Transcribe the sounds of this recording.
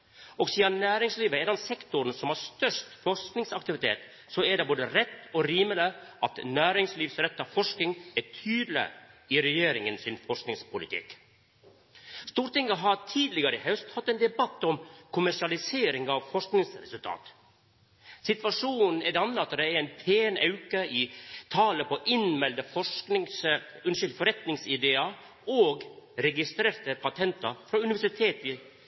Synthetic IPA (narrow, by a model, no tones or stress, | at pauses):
ɔɡsiːɑnæːɾɪŋsliːʋəɛɖɑnsɛkt̪ʊɾənsɔmhɑɾst̪œʂtfɔʂknɪŋsɑkt̪ɪʋɪt̪ʰḛːt̪ | sɔæɖɛboːd̪əɾɛt̪ːɔɾiːmələʔɑt̪næːɾɪŋsliːʋsɾɛt̪ːɑʋfɔʂkɪŋætʰyːd̪lə̰ɪɾɛjeːɾɪŋənsɪnfɔʂknɪŋspʊlɪ̰t̪ʰɪ̰k | st̪uːɾʈ̪ɪŋːəɦɑɾt̪ʰiːd̪lɪɡəɾəəhœʉst̪hɑt̪ːɛːnd̪ɛbɑt̪ːɔmkʰʊmæʂɪɑlɪseːɾɪŋɑʋfɔʂknɪŋsɾɛ̰sʉlt̪ʰɑ̰ːt̪ | sɪt̪ʋɑʂuːn̩n̩ɛd̪ɑnːəɑt̪d̪ɛɛnpʰeːnʔɑʉkəit̪ʰɑːləpɔʔɪnmɛld̪əfɔʂknɪŋs | ʉnʃʏld̪fɔɾɛt̪nɪŋsɪd̪eːɑ | oːɡɾɛɡɪst̪ɾeːɾt̪əpʰɑt̪ʰɛnt̪ɑfɾɑʉnɪʋæʂɪt̪ʰeːt̪ɪ